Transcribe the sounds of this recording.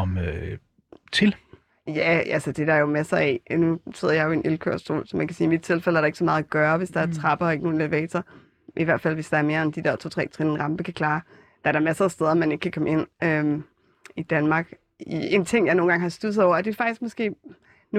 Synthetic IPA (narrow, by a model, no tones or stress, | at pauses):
ɒm | t͡sʰe̝l | jæælsəd̥e̝d̥ɑjo̝mæsɐɛnuse̝ð̰ɐjɑɪjoe̝nʔelkʰø̰ɐ̰sd̥o̝̰ːlsɒmænkʰæsiːimid̥̚t͡sʰe̝lfel̰əæɐɾɑe̝ɡ̥sɒ̽mɑːð̞̩ˠæɡ̥ɶːɐʋe̝sd̥ɑ̈æɐt͡sʰʁɑ̈b̥ɐɒ̽e̝ɡ̥əno̝ːn̩eʋɛ̰ːt͡sʰɐ | ʔiʋæɐ̰d̥fæl̰ʋe̝sd̥ɑ̈æɐme̝ːɐend̥id̥eɐ̰t͡sʰo̰ːt͡sʰʁɛ̰ːt͡sʰʁinn̩ʁɑ̈mb̥əkʰækʰlɑ̈ː | d̥ɑ̈æɐɾ̥ɑmæsɐsd̥eð̞ˠɐmæne̝ɡ̥əkʰækʰɒ̽məe̝n̰ø | id̥ænmɑ̈ːɡ̥ | ie̝nt͡sʰe̝ŋ̰jɑ̈ɪno̝ːn̩ɡɑ̈ŋhɑ̈sd̥usð̩ˠɒʊ̰ɐd̥e̝fɑ̈ɡ̥isɡ̥mɒ̽sɡ̥e̝̰ː | nu